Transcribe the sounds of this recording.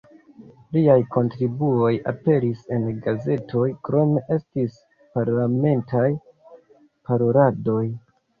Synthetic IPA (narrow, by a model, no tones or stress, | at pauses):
liajkʰo̞ntɾibuo̞ja̰pe̞ɾise̞nɡaze̞tʰo̞jkɾo̞me̞ʔe̞stis | paɾlame̞ntʰaj | paɾo̞ɾado̞j